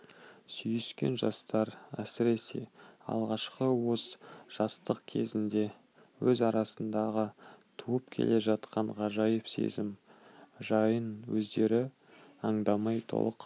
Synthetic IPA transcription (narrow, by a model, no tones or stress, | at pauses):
sʏjʏskʲe̞̰nʒɑst̪ɑɾæsɪɾe̞se̞̰ɑ̰lˠʁɑʃqəwozʒ̥ɑst̪əq̚kʲʰe̞zɪnd̪e̞ | wɵzɑɾɑsənd̪ɑʁət̪ʰuəpkʲʰe̞̰le̞ʒɑt̪qʰɑɴʁɑʒɑjəpse̞̰zɪm | ʒɑjənwɵzd̪e̞ɾɪ | ɑɴd̪ɑmɑjt̪ʰo̞̰lˠəq